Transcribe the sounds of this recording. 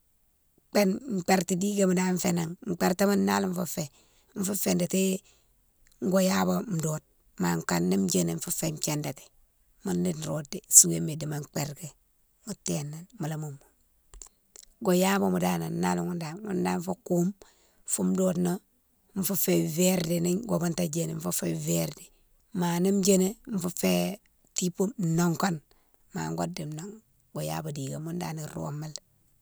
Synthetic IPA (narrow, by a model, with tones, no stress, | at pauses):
k͡pe˦nŋ͡m̩˨k͡pe˨ɾti˨di˦ɡe˨mu˨da˦ɱ˦fe˨na˨ŋŋ͡m̩˨k͡pe˦ɾte˦ma˦nːa˦lu˦ɱ˦fu˦fe˨ | ɱ̩˦fu˦fe˨nde˨te˦ | ŋ˦ɡo˦ja˦bo˨m̩˨do˨t̚ | ma˨ŋ˨ka˨nːi˦m˦d͡ʒe˦ne˨ɱ̩˦fu˦fe˨m˨ke˨nda˨te̥˨ | mu˦ndi˦n˨ɾo˨de˨su˦ŋe˦me˨di˨ma˨ŋ͡mk͡pe˨ɾɡe˨ | mu˨te˨nːa˨nmu˨la˨mu˨mːu˨ | ɡo˨ja˦bo˦mu˨da˦na˨nːa˦lu˨ŋu˦nda˨ŋṵ˦nda˦ɱ˦fo˦ku˦m | fu˦mdo˦tno˦ | m˦fu˦fe˨ve˦ɾdi˨ni˦ŋɡo˨bu˦nta˦d͡ʒe˨ne˨ɱ˦fu˦feveɾdi˨ | ma˨ni˦md͡ʒe˦ne˦ɱ˦fu˦fe˦ | ti˦pu˦no˦ŋko˦n | ma̰˨ŋɡo̰˦di˨no˨ŋ | ɡo˨ja̰˦bo˨di˨ɡe˨mu˦nda̰˦ni˨ɾo̰˦mːa˦l